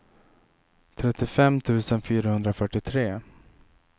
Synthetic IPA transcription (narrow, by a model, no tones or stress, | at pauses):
t̪ʰɾɛt̪ːɪfɛmt̪ʰʉ̟ːsənfyːɾahɵnd̪ɾafœʈːɪt̪ʰɾeː